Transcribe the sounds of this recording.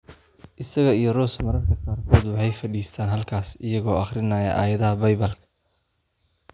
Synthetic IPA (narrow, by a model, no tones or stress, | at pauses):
ʔɪsɐɣɐijɞrɔːsmɐɾɐrkʰɐqaːrkʰɔːd̪wɑħɑjfɐɽiːst̪ʰaːnɦɐlkʰaːsɪjɐɣɔːɑχrɪnaːjɐʔa̰ːjɐðɐɦɐbɐjbɐlkʰɐ̥